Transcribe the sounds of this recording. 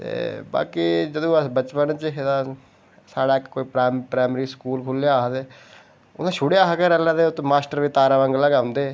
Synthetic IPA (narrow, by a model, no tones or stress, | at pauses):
t̪ḛːba̰ːkiːd͡ʒəd̪õːəsbət͡ʃpənt͡ʃɦed̪ãː | saːɽaːɪkkoːiːpɾaːpɾaːɪmɾiːskuːlkʰʊljaːɦd̪eː | ʊnãːʃʰʊɽejaːɦaɡɛːɾɛlãːd̪eːʊt̪ːmaːsʈəɾʋiːt̪aːɾaːʋə̃ŋɡəlaːɡãːʊnd̪eː